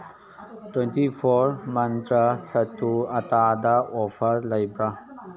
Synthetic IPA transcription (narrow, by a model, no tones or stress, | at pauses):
twentipʰɔɾmɐntɾasɐtːuɐtadaɔpʰɐɾlɐjbɾa